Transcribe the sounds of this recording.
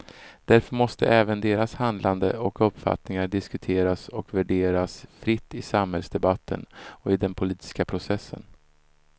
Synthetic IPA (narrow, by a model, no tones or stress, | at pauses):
d̪̥æɾfœɾmɔst̪ə̰ʔɛːvənd̪eːɾashand̪lʔand̪əɔkɵpːfa̰t̪nɪŋaɖɪskɵt̪ʰeːɾasɔkvæɖeːɾasfɾɪt̪ːɪsamhɛlsd̪ɛbat̪ʰːə̰nɔɪd̪ɛnpʰʊliːt̪ɪ̥skapʰɾʊsɛsːə̰n